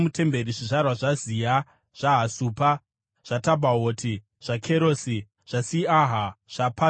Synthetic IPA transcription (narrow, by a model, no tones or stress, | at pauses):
mute̞mbe̞riʐiʐarwaʐazija | ʐ̥aɦasuːpa | ʐ̥atabʱaɦoːtʰi | ʐ̥akʰeɾoːsi | ʐ̥asiaɦaʐ̥apa